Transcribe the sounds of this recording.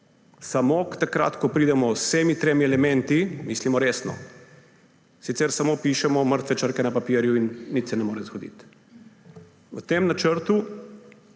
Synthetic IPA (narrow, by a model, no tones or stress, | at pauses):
samokt̪akɾa̰ːt̪kɔpɾiːd̪ɛmɔsɛmit̪ɾemiɛlɛmɛnt̪imislimɔɾeːsnɔ̰ | sit̪sɛɾsamopiʃɛmɔməɾt̪ʋɛt͡ʃəɾkɛnapapiːɾjuinːit̪sɛnɛmoːɾɛzɡɔd̪ḭt̪ | ə̰t̪emnat͡ʃəɾt̪u